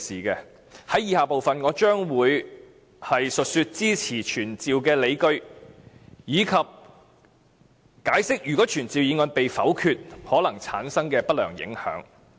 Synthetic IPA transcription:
siː˨˩kɛ˧ | hɐ˨˥jiː˧haː˨po˨wfɐ˨nŋɔː˨˧t͡ʃœː˥ŋwuː˨˧j | hɐ˨jsɵ˨t̚syː˧t̚t͡siː˥t͡sʰiː˨˩t͡ʃʰyː˨˩nt͡siː˨wkɛː˧le˨˧jkɵ˥ɥ | jiː˨˧kʰɐ˨p̚ | kaː˨˥jsɪ˥k̚jyː˨˩kɔː˨˥t͡ʃʰyː˨˩nt͡siː˨˧wjiː˨˧ŋɔː˧npe˨jfɐ˨˥wkʰyː˧t̚hɔː˨˥lɐ˨˩ŋt͡sʰa̰ː˨˥nsɐ˥ŋkɛː˧pɐ˥t̚lœ̰ː˨˩ŋjɪ̰˨˧˥ŋhœ̰ː˨˥ŋ

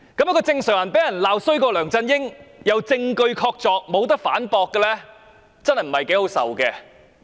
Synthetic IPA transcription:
kɐ˨˥mjkɔː˧t͡sɪ˧ŋsœː˨˩ŋjɐ˨˩npe˨˥jɐ˨˩nlaː˨˧wsɵ˥ɥkɔː˧lœː˨˩ŋt͡sɐ˧njɪ˥ŋjɐ˨˧wt͡sɪ˧ŋkɵ˧ɥkʰɔː˧k̚t͡sɔː˨k̚mo˨˧wt̪̬ɐ˥k̚fa̰ː˨˥npɔː˧kːɛ˧lɛ˥ | t͡sɐ˥nhɐ˨jm̩˨˩hɐ˨jke˨˥jho˨˥wsɐ̰˨wkɛː˧

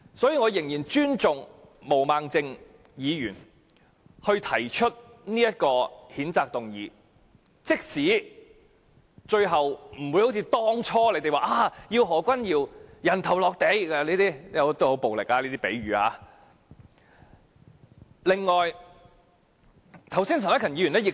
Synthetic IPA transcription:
sɔː˨˥jiː˨˧ŋɔː˨˧jɪ˨˩ŋjiː˨˩nt͡ʃyː˥nt͡sʊ˨ŋ | mo˨˩wmaː˨ŋt͡sɪ˧ŋ | jiː˨˧jyː˨˩n | hɵ˧ɥt̪ʰɐ˨˩jt͡ʃʰɵ˥t̚niː˥jɐ˥t̚kɔː˧hiː˨˥nt͡saː˨˧k̚t̪ʊ˨˩ŋjiː˨˧ | t͡sɪ˥k̚siː˨˥ | t͡ʃɵ˧ɥɦɐ˨wm̩˨˩wu˨˧jho˨˥wt͡sʰiː˧t̪ɔː˥ŋt͡ʃʰɔː˥le˨˧t̪e˨jwaː˨˧ʔaː˧˥˩jiː˧wɦɔː˨˩kʷɐ˥njiː˨˧wjɐ˨˩nt̪ʰɐ˨˩wlɔː˨k̚t̪e˨˧jɐ˧liː˥t̪iː˥jɐ˨˧wt̪ːho˨˥wpo˨wlɪ˨k̚aː˧liː˥t̪iː˥pe˨˥jɥyː˨ha̰ː˨˧˦ | lɪ˨ŋːɔː˨˩j | t̪ʰɐ˨˩wsiː˥nt̪ʰːnɐ˥kʰɐ˨˩njiː˨˧jyː˨˩nɛː˥jɪ˨k̚

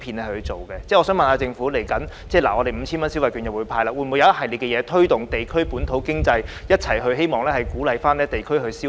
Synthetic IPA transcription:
pʰiː˧nɛː˥˨˩hʰɵ˧t͡so˨˩wkɛː˧t͡sɛː˥˩ɔː˨˧sœː˨˥mɐ˨˩naː˨˧t͡sɪ˧ŋfuː˨˥le˨˩jkɐ˨˥nt͡sɛː˥˩laː˨˩ŋɔː˨˧e˨jm̩˨˧t͡ɕʰi˥nmɐ˥nsi˥wɐ˨˩jkyː˨˧njɐ˨˩wuː˨˧jpʰaː˧jlaː˧˥wu˧jm˨u˨˧˥jɐ˨˧˦jɐ˥t̚hɦɐ˨jli˨˩tkɛ˧jɛː˨˧t̪ʰɵ˥ɥt̪ʊ˨ŋt̪e˨jkʰɵ˥ɥpuː˨˥nt̪ʰo˨˥wkɪ˥ŋt͡sɐ˧jjɐ˥t̚t͡sʰɐ˨˩jɦɵ˧ɥɦe˥jmɔː˨˩ŋlɛː˦˥hɐ˨jkuː˨˥lɐ˨jfaː˥nɛː˥t̪e˨jkʰɵ˥ɥhɵ˧siː˥

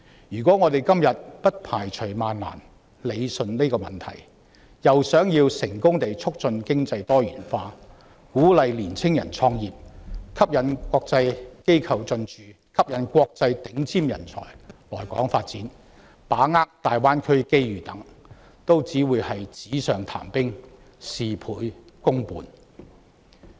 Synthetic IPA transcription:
jyː˨˩kʷɔː˨˥ŋɔː˨˧t̪e˨jkɐ˥mjɐ˨t̚pɐ˥t̚pʰaː˨˩jt͡ʃʰɵ˨˩maː˨nla̰ː˨˩n | le˨˧jsɵ˨nle˥kɔː˧mɐ˨˩nt̪ʰɐ̰˨˩j | jɐ˨wsœː˨˥ŋjiː˧wsɪ˨˩ŋkʊ˥ŋt̪e˨jt͡sʰʊ˥k̚t͡sɵ˧nkɪ˥ŋt͡sɐ˧jt̪ɔː˥jyː˨˩nfaː˧ | kuː˨˥lɐ˨jliː˨˩nt͡sʰɪ˥ŋjɐ˨˩nt͡sʰɔː˧ŋjiː˨p̚kʰɐ˥p̚jɐ˨˥nkwɔː˧k̚t͡sɐ˧jke˥jkʰɐ˨˩wt͡sɵ˧nt͡ʃyː˨ | kʰɐ˥p̚jɐ˨˥nkʷɔː˧k̚t͡sɐ˧jt̪ɪ˨˥ŋt͡sʰiː˥mjɐ̰˨˩nt͡sʰɔ̰ː˨˩jlɔː˨˩jkɔ̰ː˨˥ŋfaː˧t̚t͡siː˨˥n | paː˨˥ŋaː˥k̚t̪aː˨jwaː˥nkʰɵ˥ɥke˥jɥyː˨t̪ɐ˨˥ŋ | t̪o˥wt͡siː˨˥wuː˨˧jhɐ˨jt͡siː˨˥sœː˨ŋt̪ʰa̰ː˨˩mpɪ˥ŋ | siː˨pʰuː˨˧˥j | kʊ˥ŋpuː˨n

